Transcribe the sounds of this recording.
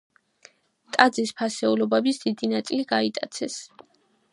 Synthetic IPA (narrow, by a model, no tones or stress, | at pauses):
t̪ʼad̪zispʰasɛulɔbɛbisd̪̥id̪inat̪sʼiliɡait̪ʼa̰t̪sʰɛs